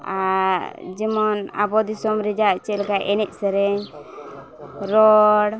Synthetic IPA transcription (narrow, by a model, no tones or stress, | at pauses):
aɾd͡ʒimɔna̰bɔd̪isɔmɾid͡ʒaʔt͡ʃɛlkaʔɛnɛc̚ˀsɛɾɛɲ | ɾɔɽ